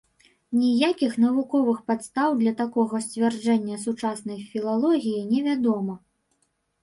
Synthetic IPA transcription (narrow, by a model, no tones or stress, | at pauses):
nʲijakʲixn̪ɐvukɔvɨxpat̪st̪awd̪lʲɐt̪akɔɣɐsʲt͡sʲvʲɛrd͡ʐɛnʲːɐsut͡ʂasnɐjfʲilˠalˠɔɣʲijinʲɛvʲad̪ɔmɐ